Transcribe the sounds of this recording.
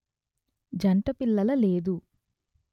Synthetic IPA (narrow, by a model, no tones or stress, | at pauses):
d͡ʒɐɳʈɐpilːɐlɐle̞ːd̪u